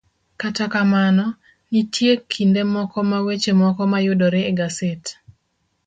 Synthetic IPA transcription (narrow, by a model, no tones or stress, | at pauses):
katakamanɔ | nitjekʰːindemɔkɔmawet͡ʃemɔkɔmajʊdɔɾeːɡaset